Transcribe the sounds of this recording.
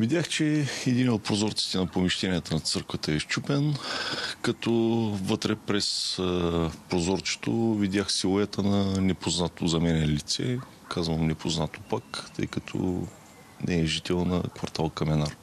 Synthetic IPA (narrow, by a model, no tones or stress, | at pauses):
vid̪ʲjaxt͡ʃɛɛd̪inot̪̚pɾozɔɾt̪si̥t̪ɛnɐpomiʃt̪ɛniət̪ənɐt̪sɤɾkvət̪əɛʃt͡ʃupɛn | kɐt̪ɔvɤt̪ɾɛpɾɛs | pɾozɔɾt͡ʃɛ̥t̪ovid̪ʲjaxsilˠoɛt̪ʰənɐnɛpoznat̪ozɐmɛnɛlit̪sɛ̰ | kʰazvəmnɛpʰoznat̪o̥pakt̪ɤ̰jkɐt̪ʰɔ̰ | nʔɛɛʒit̪ɛlˠnɐ̰kvɐɾt̪alˠkɐmɛnaɾ